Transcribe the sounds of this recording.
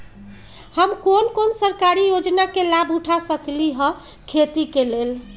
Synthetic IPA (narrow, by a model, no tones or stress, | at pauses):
həmkonkonsəɾkaɾijod͡ʒnakelabʱuʈʰasəkliɦə̃ | kʰet̪ikelel